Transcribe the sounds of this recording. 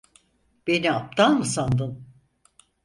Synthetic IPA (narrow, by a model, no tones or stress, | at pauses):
b̥e̞niap̚t̪ʰanmɯsand̪ɯn